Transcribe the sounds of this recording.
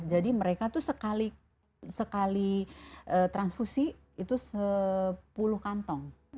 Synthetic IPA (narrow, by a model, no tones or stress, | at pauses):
d͡ʒadiməɾekat̪usəkali | səkaliʔət̪ɾansfusi | it̪usəpulʊhkant̪ɔŋ